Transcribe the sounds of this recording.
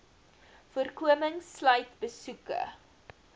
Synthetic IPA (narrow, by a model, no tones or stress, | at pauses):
fuərkuəməŋslœjtbəsukə̰